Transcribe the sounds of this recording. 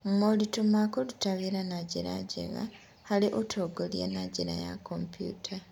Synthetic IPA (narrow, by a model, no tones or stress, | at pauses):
umolitumakolutaβiɾanaɟiɾa̰ɟḛɣa̰ | haliʔotʰoɡolja̰naɟiɾa̰ja̰kompjṵːtʰa